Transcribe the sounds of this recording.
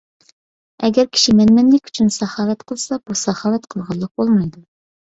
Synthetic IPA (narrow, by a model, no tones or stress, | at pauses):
ɛɡʲɛɾkʲʰi̥ʃimɛnmɛnlɪkʲy̥t͡ʃʰynsɑχɑːlɛt̪qʰəlˠsɑb̥usɑχɑːlɛt̪qʰəlˠʁɑlˠːəq̚bolˠmɑjd̪u